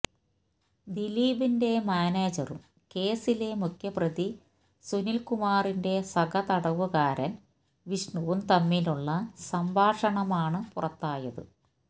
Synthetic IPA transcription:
d̪iliːbinde̞maːneːd͡ʑɐrṵm | ke̞ːsile̞mukʰjɐprɐði | sunilkumaːrinde̞sɐɡɐt̪ɐɽɐʋuɣaːɾɐn | ʋiʂɳuʋɐmt̪ɐmːiluɭːɐsɐmbʱaːʂɐɳɐmaːɳɨpurɐt̪ːaːjɐðɨ̰

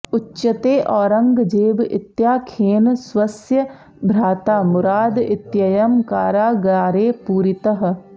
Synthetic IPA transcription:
ʊtːt͡ʃʃət̪eːʔɔːɾəŋɡd͡ʒeːbɪ̰t̪jaːkʰeːnswəsjə | bʱɾaːt̪aːmʊɾaːd̪ɪt̪jɐjəmkaːɾaːɡaːɾeːpuːɾɪt̪əɦ

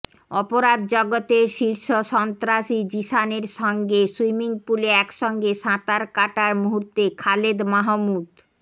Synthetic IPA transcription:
ɔpoɾad̪̚d͡ʑɔɡot̪eɾʃiɾʃoʃɔnt̪ɾaʃid͡ʑiʃaneɾʃɔŋɡeswimiŋpuleɛkʃɔŋɡeʃãt̪aɾkaʈaɾmuɦuɾt̪ekʰaled̪maɦomud̪

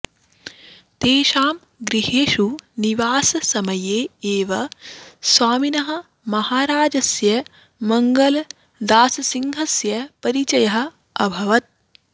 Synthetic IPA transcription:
t̪eːʃaːm | ɡɾiɦeːʂuniʋaːsɐsɐmɐjeːeːʋɐsʋaːminɐɦɐ̆ | mɐhaːɾaːd͡ʒɐsjɐ | mɐŋɡɐl | d̪aːsɐsiŋɦɐsjɐpɐɾit͡ʃɐjɐɦɐ̆ | ɐbʱɐʋɐt̪̚

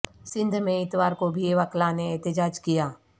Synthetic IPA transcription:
sɪ̃nd̪ʱmẽɪt̪ʋaːɾkobʱieʋɐklaneɛːt̪ɪd͡ʒaːd͡ʒkijaː

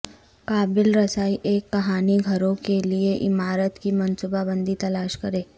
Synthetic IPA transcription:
kaːbɪlɾɐsaːiʔeːkːɐɦaːniɡʱɐɾõkelieʔɪmaːɾət̪kimɐnsuːbabə̃nd̪it̪ɐlaːʃkɐɾeː

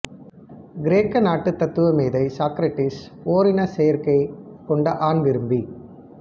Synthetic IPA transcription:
ɡɪɾeːkːɐnaːʈːɯt̪ːɐt̪ːɯʋɐmeːðɐɪsaːkɾɐʈːɪsoːɾɪnɐsɛjɐɾkɐɪkɔɳɖɐʔaːnʋɪɾɯmbi

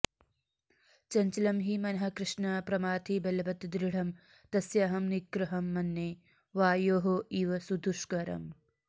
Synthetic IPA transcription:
t͡ʃɐnt͡ʃɐlɐmɦimɐnɐɦɐ̆kɾɪʂɳɐpɾɐmaːt̪ʰibɐlɐbɐt̪d̪ɾiɽ̤ɐm | t̪ɐsjaːɦɐmnikɾɐɦɐmːɐnːeː | ʋaːjoːɦoiːʋɐsud̪ʱuʂkɐɾɐ̰m

